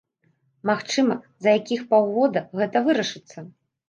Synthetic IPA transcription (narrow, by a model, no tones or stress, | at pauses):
maxt͡ʂɨmɐ | zɐjakʲixpawɣɔd̪ɐɣɛt̪ɐvɨɾɐʂɨt̪sːɐ